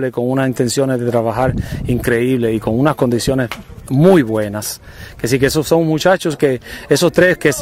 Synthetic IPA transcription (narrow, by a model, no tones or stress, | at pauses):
leko̞ŋunasint̪e̞nsjo̞nezðe̞t̪ɾaβaxaɾiŋkɾe̞iβle̞iko̞ŋunasko̞nd̪isjo̞ne̞smujβwe̞nas | kes̬ikeesoso̞ŋmut͡ʃat͡ʃoskeeso̞st̪ɾeskes